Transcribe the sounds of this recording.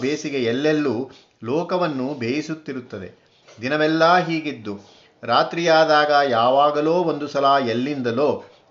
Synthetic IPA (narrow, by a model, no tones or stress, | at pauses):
beːsiɡeɛlːelːuː | lɔːkɐʋɐnːubʱeːjisut̪ːiɾut̪ːɐd̪e̞̰ | d̪inɐʋɛlːɐːɦiːɡid̪ːu | ɾaːt̪ɾijaːd̪aːɡɐjaːʋaːɡɐloːond̪usɐlaːɛlːind̪ɐlo̞ː